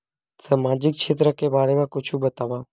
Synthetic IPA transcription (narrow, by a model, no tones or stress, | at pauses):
saːmaːd͡ʒɪk̚t͡ʃʰeːt̪ɾəkeːbaːɾeːmãːkʊt͡ʃʰuːbət̪aːʋaː